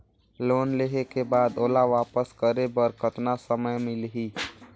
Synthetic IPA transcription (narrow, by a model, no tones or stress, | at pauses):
loːnleɦekebaːd̪oːlaʋaːpəskəɾebəɾkʰət̪nasəməjmɪlɦiː